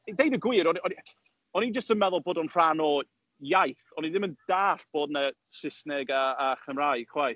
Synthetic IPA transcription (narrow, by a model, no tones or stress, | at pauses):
dejdəɡwiːɾɔniɔni | ɔnid͡ʒəstənmɛðʊlˠboːdɔnr̥anɔ | jajθɔniðɪmənd̥aːɬb̥oːdna | sɪsnɛɡaːχəmrajkʰwaj